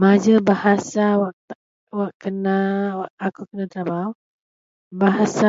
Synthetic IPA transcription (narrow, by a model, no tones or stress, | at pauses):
mad͡ʒəbahasawaʔ | waʔkənaaːkukənat̪ɾabaw | baɦasa